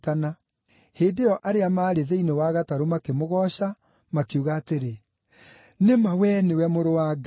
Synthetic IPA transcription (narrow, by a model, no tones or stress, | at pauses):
tana | heːndejɔʔaɾeamaːɾeðeinewaɣataɾomakemoɣɔɕa | makiuɣaːteɾe | nemawɛnewɛmoɾowaːɡ